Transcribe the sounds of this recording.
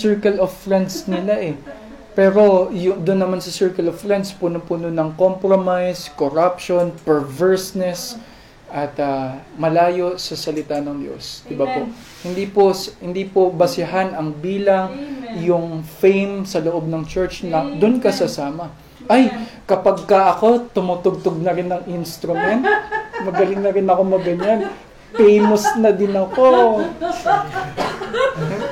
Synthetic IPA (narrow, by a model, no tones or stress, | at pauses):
sɛɹkɛlovfɹɛnd̪snɪlaʔɛ | pɛːɾo̞jʊd̪ʊnːɐmansɐsɛɹkɐlovfɹɛnd̪spunopunonɐŋkompɾomajskoɾapʃonpɛɹvɛɹsnɛs | ʔɐt̪ɐmɐlaːjo̞sɐsɐlɪt̪anɐŋd̪jo̰sd̪̥ɪbapo | hɪnd̪iposhɪnd̪ipobɐsɪɐɦanɐŋbiːlɐŋjʊŋfɛjmsɐloʔo̞b̚nɐŋt͡ʃɛɹt͡ʃnɐd̪ʊnkɐsɐsaːmɐ | ʔɐjkɐpaɡ̚kɐʔɐko̞t̪ʊmʊt̪oɡ̚t̪oɡ̚nɐɾɪnːɐŋɪnst̪ɾʊmɛnt̪̚mɐɡɐlɪŋnɐɾɪnɐko̞mɐɡɐɲan | pɛjmosnɐd̪ɪnɐko